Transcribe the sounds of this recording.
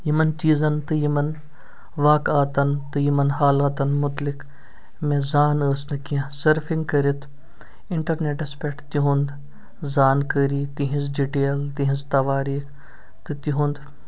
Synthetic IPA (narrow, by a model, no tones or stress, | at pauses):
jimɐnt͡ʃiːzɐnt̪ɨjimɐn | ʋaːkaːt̪ɐnt̪ɨjimɐnhaːlaːt̪ɐnmʊt̪lik | mẽzaːnəːsnɨkiãsɐɾfʰiŋɡkɐɾit̪ʰ | ɪɳʈɐɾneːʈɐspeʈʰt̪iɦund̪ | zaːnkəɾiːt̪iɦĩzɖiʈeːlt̪iɦĩzt̪ɐʋaːɾiːk | t̪ɨt̪iɦund̪